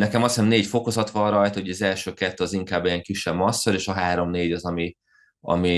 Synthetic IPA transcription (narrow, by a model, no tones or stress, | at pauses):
nɛkɛmɒsɛmneːcfo̞ko̞zɒt̪ʋɒrɒjt̪ɒɦoɒzɛlʃøːkɛt̪ːøːɒziŋkaːbːejɛŋkiʃːɛbmɒsːoɾeːʃɒɦaːɾo̞mneːɟɒzɒmi | ɒ̰mi